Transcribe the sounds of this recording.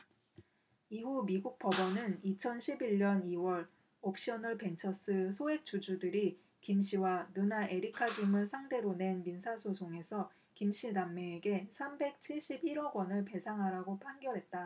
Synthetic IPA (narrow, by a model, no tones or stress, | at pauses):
iɦumiɡuk̚p͈ʌbʌnɯnit͡ɕʰʌnɕʰibiɭɲʌniwʌɾ | op̚ɕ͈iʌnɯɭpe̞nt͡ɕʰʌs͈ɯsʰoe̞k̚t͡ɕ͈ud͡ʑudɯɾi | kimɕ͈ʰiwanɯnaʔeɾikʰaɡimɯɭsʰaŋde̞ɾone̞nminsʰasʰosʰoŋe̞sʰʌ | kimɕ͈idamːeːɡe̞sʰambe̞k̚t͡ɕʰiɭɕ͈ibiɾʌɡwʌnɯɭpe̞sʰaŋɦaɾaɡopʰanɡjʌɾɦe̞t̚t͈a